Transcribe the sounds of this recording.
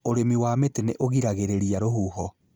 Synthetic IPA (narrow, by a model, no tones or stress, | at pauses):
oɾemiwameteneʔoɣiɾaɣeɾeɾiaɾoɦuːhɔ